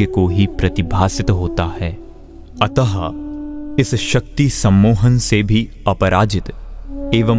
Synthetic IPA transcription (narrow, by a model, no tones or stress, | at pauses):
əkoɦipɾɐt̪ɪbʱaːsɪt̪ɦoːt̪ahɛː | ɐt̪əɦə | ɪsʃɐk̚t̪isɐ̃mːuːɦənsebʱi | ɐpəɾaːd͡ʒɪt̪eːʋə